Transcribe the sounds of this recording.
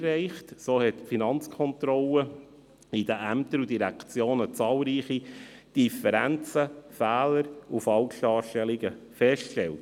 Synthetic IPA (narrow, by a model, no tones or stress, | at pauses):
rɛɪχtsoːhɛtfinɑnt͡skʰɔnt̪ɾɔlə | id̥əʔæmtəɾudiɾækt͡sjoːnət͡sɑːlɾiːχi | d̥ifəɾænt͡səfæːləɾufɑlʃlɑːɾʃtɛliɡ̥əfɛʃtkʃtɛlt